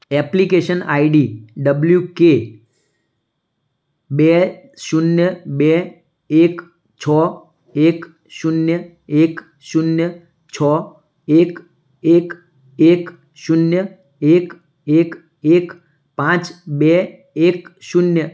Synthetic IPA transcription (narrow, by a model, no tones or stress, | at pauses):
ɛplikeʃənaːiɖiɖəbljuke | beʃʊnjəbe | ek | t͡ʃʰɔː | ek | ʃʊnjə | eːk | ʃʊnjə | t͡ʃʰɔ | ek | ek | ek | ʃʊnjə | ek | ek | ek | pãt͡ʃbe | ekʃʊnjə